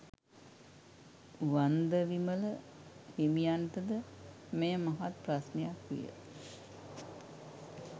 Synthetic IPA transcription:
ʋand̪əʋimələ | himijant̪əd̪əmejəmaɦat̪prasnejakʋḭjə̰

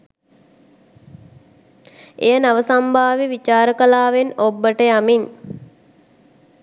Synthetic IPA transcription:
ejənaʋəsambʱaːʋiʋit͡ʃaːɾəkəlaːʋenobːəʈəjamin

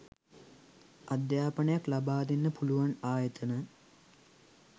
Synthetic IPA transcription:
ʔad̪jaːpənəjaklabaːd̪inːəpuluʋanaːjət̪ənə

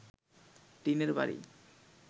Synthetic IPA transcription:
ʈ̪ineɾba̰ɾḭ

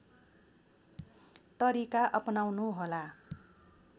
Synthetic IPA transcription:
t̪ʌɾikaʔʌpnawnuɦola

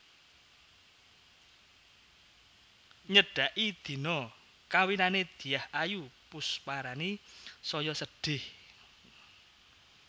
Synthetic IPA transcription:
ɲəɖ̥a̤ʔid̪̥i̤nɔ | kawinaned̪̥i̤jahʔajupʊspaɾanisɔjɔsəɖ̥ɪh

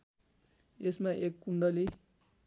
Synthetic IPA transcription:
esmaʔekːuɳɖʌli

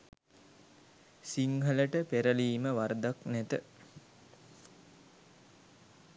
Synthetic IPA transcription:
siŋɦələʈəpeɾəliːməʋaɾd̪aknæt̪ə

